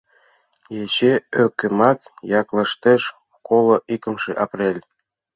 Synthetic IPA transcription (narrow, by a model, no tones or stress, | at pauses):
jet͡ɕeølkɘ̆mɑkjɑklɤ̆ʃt̪ĕʃ | kolˠoʔikə̆mʃĕʔɑprʲelʲ